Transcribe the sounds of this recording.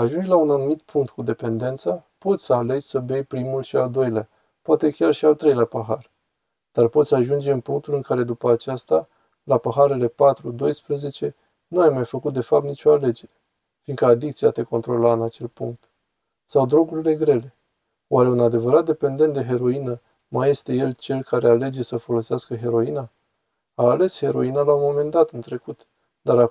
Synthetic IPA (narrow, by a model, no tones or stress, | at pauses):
aʒund͡ʒʲlaunanumit̪̚pʰuŋk̚t̪̚kud̪e̞pe̞nd̪e̞nt̪sapo̞t̪sʲsəale̞d͡ʒʲsəbe̞jpɾimulʃiald̪o̞jlea | poat̪e̞kʲarʃialt̪ɾe̞jlapəɦar | d̪̥arpo̞t̪sʲaʒund͡ʒe̞ɨnpuŋk̚t̪ulɨnŋkaɾe̞d̪upəat͡ʃast̪a | lapəɦaɾe̞le̞pat̪ɾud̪o̞jspɾəze̞t͡ʃe̞ | nuajmajfəkut̪̚d̪e̞fap̚t̪nit͡ʃo̞ale̞d͡ʒe̞ɾʲ | fiŋkəad̪ik̚t̪siat̪e̞ko̞nt̪ɾo̞laɨnat͡ʃe̞lpuŋk̚t̪ | sawd̪ɾo̞ɡuɾile̞ɡɾe̞le̞ | oaɾe̞unad̪e̞vəɾat̪̚d̪e̞pe̞nd̪e̞nt̪d̪e̞ɦe̞ɾo̞inə | maje̞st̪e̞je̞lt͡ʃe̞lkaɾe̞ale̞d͡ʒe̞səfo̞lo̞seaskəɦe̞ɾo̞ina | aːle̞she̞ɾo̞inalaumo̞me̞nd̪at̪ɨnt̪ɾe̞kut̪ | d̪aɾa